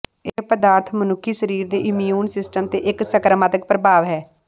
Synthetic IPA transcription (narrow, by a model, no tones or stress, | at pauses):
eːpəd̪aːɾt̪ʰmənʊkʰːiːʃəɾiːɾd̪eːʔɪmjuːnsɪsʈəmt̪eːʔɪksəkɾəmaːt̪ək̚pɾəbaːʋɦɛː